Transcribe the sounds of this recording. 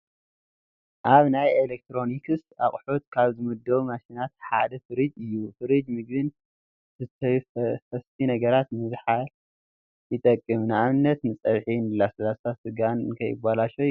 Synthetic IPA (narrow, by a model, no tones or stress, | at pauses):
ʔaβnajelek̚t̪ɾo̞nikʰɨst̪aχʼħut̪kʰaβzɨmɨd̪ːɐβmaʃinat̪̚ħad̪ɐfɨɾid͡ʒ̪ɨjːufɨɾɨd͡ʒ̪mɨɡβɨn | ɨt̪ʰɐfɐst̪ʰinɐɡɐɾat̪nɨzħal | jɨt̪ʼɐkʼːɨmnɨaβɨnːɐt̪nɨt͡sʼɐβħinɨlasɐlaasɨɡankʰɐjɨ̰balaʃo